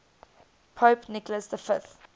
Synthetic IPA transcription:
pʰopnɪkləsðəfɪθ

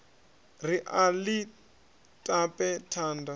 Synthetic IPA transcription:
riʔali | tʼapʼɛtʰaːnda

